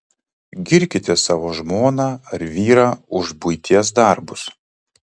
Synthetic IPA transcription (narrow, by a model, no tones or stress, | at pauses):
ɡʲɪɾʲkʲɪt̪ʲɛsɑːʋoːʒmoːnɑːɐɾʋʲiːɾɑːʊʒbʊɪt̪ʲiɛs̬d̪ɑˑɾbʊs